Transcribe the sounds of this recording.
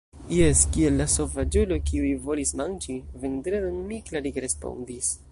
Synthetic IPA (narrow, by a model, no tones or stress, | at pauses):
jeskielːaso̞vad͡ʒulokiujvo̞lismand͡ʒivend̪ɾenonmiklaɾikɾespo̞̰nd̪is